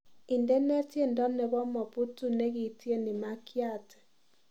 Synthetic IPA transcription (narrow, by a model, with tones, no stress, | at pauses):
i˨ndɛ˦nɛ˦tje˦˨ndɔ˦nɛ˨βɔ˦mɔ˨pu˦tu˨ne˦ɣi˨ti˦e˦ne˨ma˦kʰja˦˨tɛ̥˨